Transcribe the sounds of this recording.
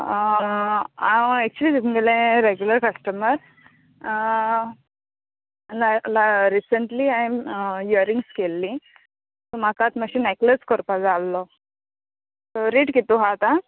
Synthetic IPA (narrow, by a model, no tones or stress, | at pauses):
aɛk̚t͡ɕuliːiɡelẽɾeɡjuləɾkəsʈəməɾ | lalaɾisəɳʈliajmjəɾiŋɡskelːi | t̪ɔmakat̪maɕinekləskɔɾpad͡zalːɔ | t̪ɔɾiʈkit̪uɦat̪a